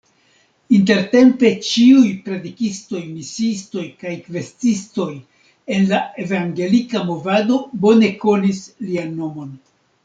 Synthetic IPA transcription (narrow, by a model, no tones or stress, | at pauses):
inte̞ɾte̞mpe̞t͡ʃiujpɾedikisto̞jmisisto̞jkajkve̞stisto̞j | e̞nlae̞vaŋɡe̞likamo̞vado̞bo̞ne̞ko̞nislianːo̞mo̞n